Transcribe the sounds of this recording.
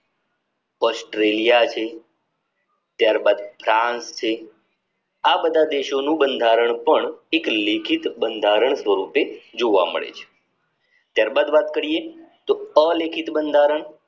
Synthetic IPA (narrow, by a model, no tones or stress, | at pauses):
ɔsʈɾelijat͡ʃʰe | t̪jaɾbad̪fɾãnst͡ʃʰe | abəd̪ʱad̪eʃonũbənd̪ʱaɾəɳpəɳeklekʰit̪bənd̪ʱaɾəɳ̃sʋəɾuped͡ʒoʋa̰mə̰ɭḛt͡ʃʰe̥ | t̪jaɾbad̪ʋat̪kəɾiet̪oəlekʰit̪bənd̪ʱaɾəɳ